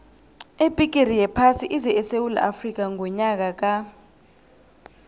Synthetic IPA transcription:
ebʱʼik̬ʼerijɛpʰasiʔizɛɛsewula̰ʔafrik̬ʼaŋʱɔɲak̬ʼak̬ʼa

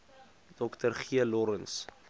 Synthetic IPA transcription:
d̥ɔktərχiəlɔɾəns

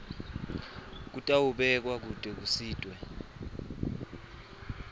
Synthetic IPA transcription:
k̬utʼawuɓɛk̬ʼwak̬ud̥ʼʱɛk̬usiːtʼwɛ

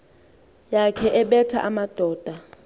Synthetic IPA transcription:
jakʰɛʔɛɓɛtʰa̰ʔamad̥ʱɔːd̥ʱa

